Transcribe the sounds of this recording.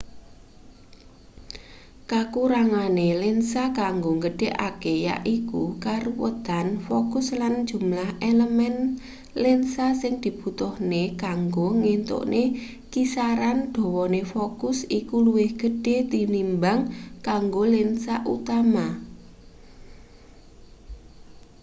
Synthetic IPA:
kakuɾaŋanelensakaŋɡoŋɡəɖ̥eʔa̰keja̰ʔikukaɾuwə̰t̪anfokʊslan̥d͡ʒ̥ṳmlaheləmɛn | lensasɪŋd̪̥i̤b̥ṳt̪ɔhnekaŋɡoŋent̪o̰ʔnʔe | kisaɾand̪̥ɔ̤wɔnefokʊsikuluwɪhɡ̥ə̤ɖ̥et̪inimbaŋkaŋɡolɪnsaʔut̪ama

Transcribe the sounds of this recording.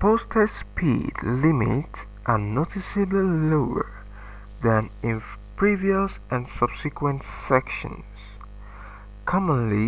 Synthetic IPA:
pʰostʰaspʰḭdlɪmḭts | ʔənotɪsɨbliloʊə̰˞ | ðæ̃nɪ̃n | pʰɹ̥iviəs | ɨ̃nsʌb̥sɨkwə̃ntsɛkʃə̰̃n | s | kʰɑmə̃nli

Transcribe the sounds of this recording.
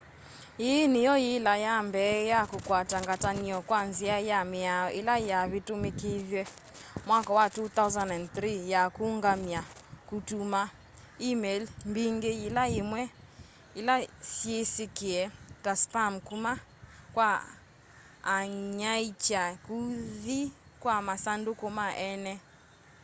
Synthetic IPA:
jenɪjɔjɪlajambɛjakokwataŋɡataniɔkwanziajamɪaɪlajaβɪtʊmekevjɛmwakɔwatut̪awzandɛnθɾijakuŋɡamjakutuma | imɛlmbiŋɡeilaemwɛ | elasjesekeɛtaspamkuma | kwa | ɲait͡ʃakuði | kwamasandokomaʔɛnɛ

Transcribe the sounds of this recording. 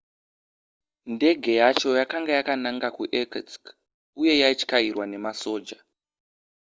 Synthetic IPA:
nde̞ɡʱe̞jat͡ʃo̞jakaŋɡajakanaŋɡakuʔekat͡sk | uje̞jait͡ʃi̥kairwane̞maso̞ːd͡ʒa

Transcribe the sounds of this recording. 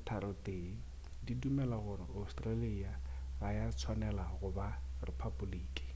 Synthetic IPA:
tʰaɾɔte | didumɛlaɣʊɾɪʔaustʼraliiːa | ɣajat͡sʰwanɛlaɣʊbarɪpʰabuliːkʼi̥

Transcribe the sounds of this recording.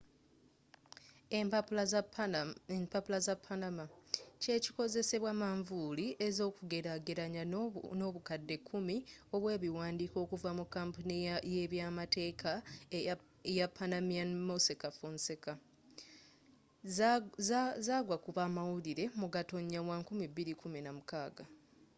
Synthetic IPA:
mpapulazapʰːanamace̞ːci̥ko̞ze̞se̞βwaːmaɱvuliʔe̞zo̞ːkuɡe̞ɾaɡeɾaɲano̞ːβukadːe̞kʰːumio̞βwe̞ːβiwaːndiːko̞ːkuvamukːampuniaje̞βjaːmate̞ːkʰa | japʰːanamianmosekafunseka | zzaːɡwakuβaːmawuliɾe̞muɡato̞ɲːawaːŋkumibːiɾikuminamukaːɡa

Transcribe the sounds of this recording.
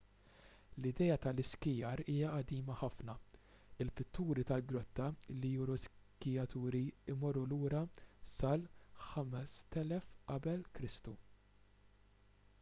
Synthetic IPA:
lɪd̪ɛːjɐt̪ɐlɪskɪjɐɾiːjɐʔɐd̪iːmɐħɐfnɐ | ɪlpɪt̪ːuːɾit̪ɐlɡɾɔt̪ːɐlijuɾɔskɪjɐt̪uːɾiɪmɔrːuluːɾɐsɐlħɐmɛst̪ɛlɛfʔɐbɛlkɾɪst̪u

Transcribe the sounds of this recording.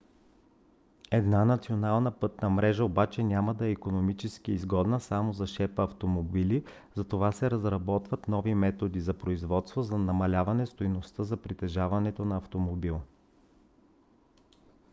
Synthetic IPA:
ɛd̪nanɐt̪sionalˠnəpɤt̪nəmɾɛʒəobat͡ʃɛnʲamɐd̪ɐɛikonomit͡ʃɛsk̟iːzɡɔd̪nəsamozɐʃɛpəːft̪omobili | zɐt̪ovasɛɾɐzɾɐbɔt̪vɐt̪nɔvimɛt̪od̪izɐpɾoizvɔt̪st̪vozɐnɐmɐlʲavɐnɛst̪ojnost̪əzɐpɾit̪ɛʒavɐnɛt̪onɐɐft̪omobilˠ

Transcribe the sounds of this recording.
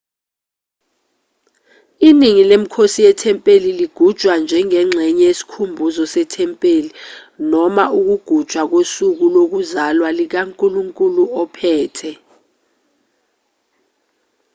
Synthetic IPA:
iniŋilem̩kʰosijɛtʰɛmpʼeliliɡ̥ʱud̥ʒ̥ʱwand͡ʒʱɛŋɛŋ͡ǁʱɛɲɛjesi̥kʰumbʱuzɔsɛtʰɛmpʼelinɔmaʔuk̬uɡ̥ʱud̥ʒ̥ʱwak̬osuk̬ulok̬uzalwalik̬aŋkʼuluŋkʼuluɔpʰɛːtʰɛ

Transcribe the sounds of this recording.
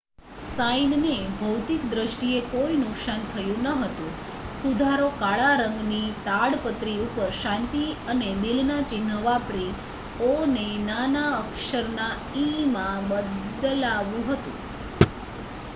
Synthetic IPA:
sajnnebʱəwt̪ik̚d̪ɾəʃʈiekoinʊksant̪ʰəjũnəɦət̪ũ | sud̪ʱaɾokaɭaɾə̃ŋɡnit̪aɽpət̪ɾiupəɾʃãnt̪iəned̪ɪlnat͡ʃɪnəʋapɾi | onenanaəkʃəɾna | imãbəd̪laʋjũɦət̪ṵ̃

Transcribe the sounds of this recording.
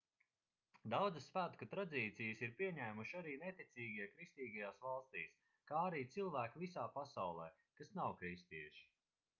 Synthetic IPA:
d̪awd̪zɨsvæt̪kat̪ɾad̪iːt̪sijəsiɾpiɛɲæːmuʃaɾiːnet̪it̪sʲiːɡʲiɛkɾist̪iːɡajaːsvalˠst̪ḭːs | kaːaɾiːt̪silˠvæːkivisaːpasawlˠɛː | kasnawkɾist̪iɛʃi̥

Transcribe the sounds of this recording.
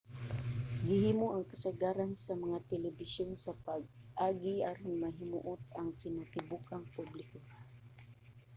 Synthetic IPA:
ɡɪhiːmoʔɐŋkɐsaɡaːɾansɐmɐŋat̪ɛlɛbɪsjonsɐpaɡ̚ʔaːɡiʔaɾʊnmaɦɪmṵʔʊt̪̚ɐŋkɪnat̪ɪbukaŋpublɪko

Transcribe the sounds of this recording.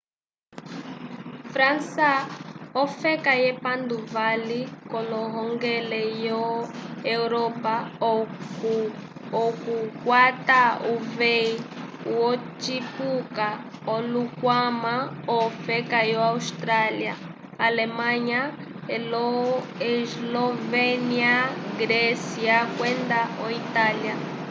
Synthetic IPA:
fɾansaɔfɛkajɛpand̪uvalikɔlɔɦɔŋɡɛlɛjɔɛuɾɔpa | ɔkukwatauvei | wɔt͡ʃipukaolukwamaɔfɛkajɔaust̪ɾalia | alemaɲa | elɔeslɔveniaɡɾesiakwɛnd̪aoit̪alja

